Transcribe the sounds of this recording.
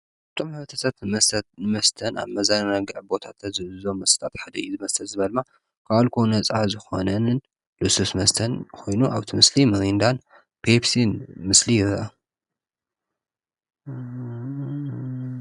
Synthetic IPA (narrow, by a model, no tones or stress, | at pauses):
t̪ʰo̞mħɨβɐt̪ʰɐt̪ʰat̪mɐst̪ʰɐna̰βmɐzannaɡɐʕbo̞t̪ʰat̪ʰɐzɨβɨzo̞mːɐst̪ʼat̪ħad̪ɐjizɨmɐst̪ʰɐlzɨβɐlma | kʰaalkʰonɐt͡sʼʕazɨxo̞̰nɐnɨn | lɨsusmɐst̪ʰɐnkʰo̞jnuʔa̰βt̪ʰimɨslimɐɾind̪an | pʰepsinmɨslijɪɾɐʔɐ